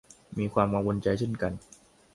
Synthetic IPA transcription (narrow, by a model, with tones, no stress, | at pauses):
miː˧kʰwaː˧mkaː˧mko˧nt͡ɕa˧jt͡ɕʰe˥˩nka˧n